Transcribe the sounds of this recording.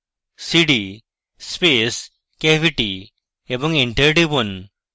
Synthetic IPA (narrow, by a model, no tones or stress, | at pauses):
siɽi | spes | keʋiʈi | ebə̃ŋɡiɳʈeɾʈibun